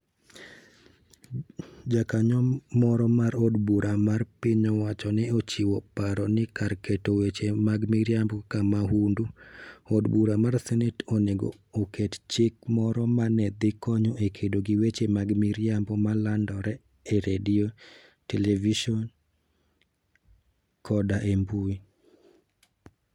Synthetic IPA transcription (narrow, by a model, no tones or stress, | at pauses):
d͡ʒakaɲɔmɔɾɔmaɾodbuɾʔamarpɪɲɔwat͡ʃɔnɛot͡ʃɪwɔpaɾɔnɪkarketowet͡ʃemaɡmiɾjambɔkamaɦunduodbuɾamarsɛnɛtoneɡɔ̰ːkett͡ʃɪkmɔɾɔmanɛd̪ɪkɔɲoʔekʰedoɡɪwet͡ʃemaɡmiɾjambɔmalandɔɾɛ | ɛɾedio | televiʃɔn | kʰɔdaʔembui